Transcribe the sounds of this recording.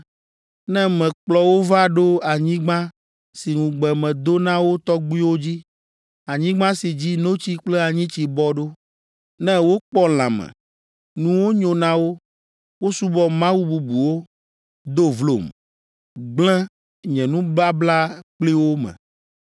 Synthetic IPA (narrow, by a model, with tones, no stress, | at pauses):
nɛ̃˦mɛ̃˨k͡plɔ˨wo˦va˦ɖo˦a˨ɲĩ˦ɡ͡bã˦ | si˨ŋũ˨ɡ͡bɛ˨mɛ̃˨d̪o˦nã˦wo˦t̪ɔ˦ɡ͡bi˦wo˦d͡ʑi˦ | a˨ɲĩ˦ɡ͡bã˦si˨d͡ʑi˦no˦t͡ɕi˦k͡plɛ˦a˨ɲĩ˦t͡ɕi˨bɔ˦ɖo˦ | nɛ̃˦wo˦k͡pɔ˦l̃ã̰˨mɛ̰̃˨ | nũ˦wo˦ɲõ˨nã˦wo˦ | wo˦su˦bɔ˦mã˦wu˦bu˨bu˨wo˦ | d̪o˦vlo̰˨m | ɡ͡blɛ̃˦ | ɲɛ̃˨nũ˦bla˦bla˦k͡pli˦wo˦mɛ̰̃˨